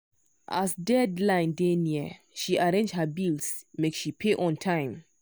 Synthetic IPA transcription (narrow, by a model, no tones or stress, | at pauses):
ʔa̰sdɛdlãɪ̃ndeniə | ʃiʔaɹẽnd͡ʒhəbilsmeksʃipʰeʔɔ̃ntʰãɪ̃m